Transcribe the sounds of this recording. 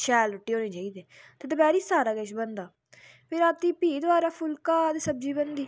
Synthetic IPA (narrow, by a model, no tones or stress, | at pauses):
ʃɛːlɾʊʈːiːɦoːnẽːt͡ʃaːiːd̪eːt̪eːd̪əbɛːɾiːsaːɾaːɡəʃbənd̪aː | pʰɪɾaːt̪iːpiːd̪ʊaːɾaːpʰʊlkaːd̪eːsəb̚d͡ʒiːbənd̪iː